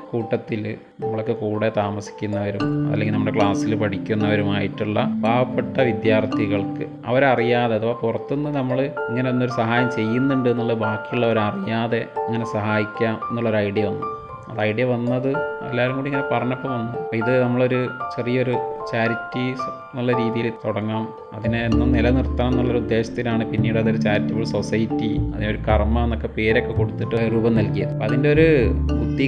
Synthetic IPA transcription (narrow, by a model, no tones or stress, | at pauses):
kuːʈːɐt̪ːil | nɐmːɐɭokːɨkuːɽe̞t̪aːmɐsi̥kʲːunːɐʋɐɾumɐ̰lːeŋɡilnɐmːɐɽekɭaːsilpɐʈikʲːunːɐʋɐɾumaːjiʈːuɭːɐbʱaːbɐpːɐʈːɐʋid̪jaːrt̪iɣɐɭkɨ | ɐ̰ʋɐɾɐrijaːðe̞ɐðʋoːpurɐt̪ːunːɨnɐmːɐɭɨiŋːɐneonːoɾusɐɦaːjɐmt͡ɕe̞jːunːuɳɖɨenːuɭːɐðɨbaːkːijuɭːɐʋɐɾɐrijaːðe̞iŋːɐne̞sɐɦaːjikʲːaːme̞nːuɭːo̞ɾɐjɽijɐʋɐnːu | ɐ̰ðɐjɖijɐʋɐnːɐðɨḛlːaːʋɐɾumkuːɽiŋːɐnepɐrɐɲopːɐmʋɐnːuɐpoiðɨnɐmːɐɭo̞ɾut͡ɕe̞rijɐo̞ɾut͡ɕaːɾitːi | nɐlːɐɾiːðijilt̪oɽɐŋːaːm | ɐðinɨːnːɐnilɐnirt̪ːɐnɐmenːuɭːɐo̞ɾud̪ːe̞ːɕɐ̥t̪ːinaːɳɨpinːiːɽɐðoɾut͡ɕaːɾitːipoɭsosɐjitːiɐ̰ðino̞ɾukɐrmɐenːo̞kːe̞pe̞ːɾo̞kːe̞ko̞ɽut̪ːiʈːɨɾuːbɐmnɐlkijɐðɨɐðinde̞o̞ɾubud̪ːi